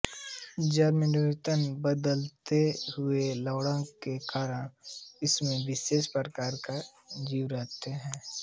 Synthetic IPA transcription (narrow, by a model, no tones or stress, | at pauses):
d͡ʒaːɾmɪnɪʋɪt̪ənbəd̪əlt̪eɦʊeləːɽə̃kekaːɾəɽ̃ɪsmẽʋɪʃeːʃpəɾkaːɾkad͡ʒiːwɾəɦt̪eɦɛ̃ː